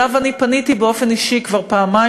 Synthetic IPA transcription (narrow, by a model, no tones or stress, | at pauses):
avanipanit̪ibeo̞fe̞niʃikvaʁpaːma